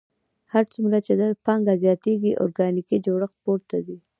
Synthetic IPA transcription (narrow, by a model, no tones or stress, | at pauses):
haɾt͡sumɾat͡ʃed̪əpɑŋɡazjɑt̪eɡiʔo̰ɾɡɑnikid͡ʒoɽəxpoɾt̪azi